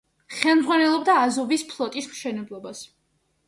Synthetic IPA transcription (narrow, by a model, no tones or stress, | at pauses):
χɛlˠmd̪zʁwanɛlˠɔbd̪aːzɔvispʰlˠɔt̪ʼismʃɛnɛblˠɔbas